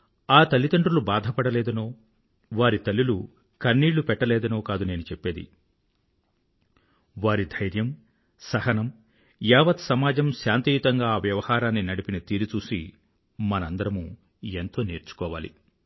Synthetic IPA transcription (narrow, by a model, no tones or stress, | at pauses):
aːt̪ɐlːit̪ɐɳʈulubaːd̪ʱɐpɐɽɐleːd̪ɐno̞ː | ʋaːɾit̪ɐlːilu | kɐnːiːɭːupɛʈːɐlɛːd̪ɐno̞ːkaːd̪une̞ːnut͡ʃepːe̞ːd̪ḭ | ʋaːɾid̪ʱɐjɾjɐm | sɐhɐnɐm | jaːʋɐt̪sɐmaːd͡ʒɐmʃaːnt̪ijut̪ɐŋɡaːʋjɐʋɐhaːɾaːnːinɐɽipinɐt̪iːɾut͡ʃuːsi | mɐnɐɐnd̪ɐɾɐmu | ent̪o̞ːneːɾt͡ʃu̥kɔːʋa̰ːlḭ